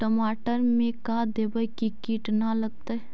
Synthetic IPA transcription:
ʈəmaːʈəɾmẽkaːd̪eːbəjkikiːʈnalɐɡ̚t̪aɛ

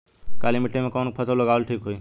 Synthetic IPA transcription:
kaːlimɪʈːemẽkɔːnpʰɐsələɡaːʋəlʈʰiːkɦoiː

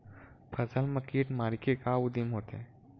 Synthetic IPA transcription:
pʰəzəlməkiːʈmaːɾikekaʊd̪imɦoːt̪e

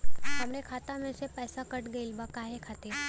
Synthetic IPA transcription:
t̪amɽekʰat̪amesepəjsakəʈɡəilbakaɦekʰat̪e

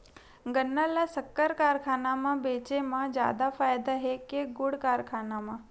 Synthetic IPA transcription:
ɡənːalasəkːəɾkaːɾkʰaːnamãbeːt͡ʃemãd͡ʒja̰ːd̪afaːjd̪aɦekeɡʊɽkaːɾkʰaːnamã

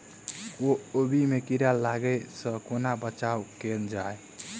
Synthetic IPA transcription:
oobimekiɾalːaɡəsə̃konabət͡ʃawkend͡ʒae

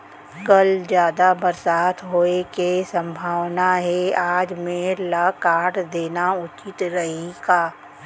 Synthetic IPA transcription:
kɐld͡ʒjaːd̪abɐɾsaːt̪ʰɦoːekesə̃mbʱaːwnaɦɛaːd͡ʒmẽləkaːʈd̪eːnaʊt͡ʃɪt̪ɾɐɦikaː

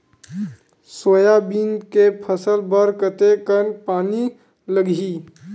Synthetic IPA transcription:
sojabiːnkepʰəsəlbəɾkət̪ekənpaːni | ləɡʱiː

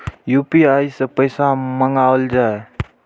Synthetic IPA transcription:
jupiajsəpəjsamaŋawəld͡ʒae

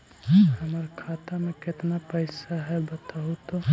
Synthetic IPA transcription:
həməɾkʰaːt̪amẽkɪt̪napəɪsaɦɛbət̪aɦut̪o

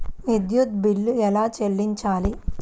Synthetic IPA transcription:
nid̪jut̪̚bilːuɛlaːt͡ʃelːiɲt͡ʃaːli

